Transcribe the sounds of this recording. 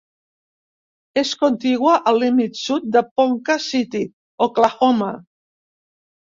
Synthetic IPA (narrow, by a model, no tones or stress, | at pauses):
eskont̪iɣwaʔalːimit̪sut̪̚d̪əpoŋkasit̪i | oklaxoma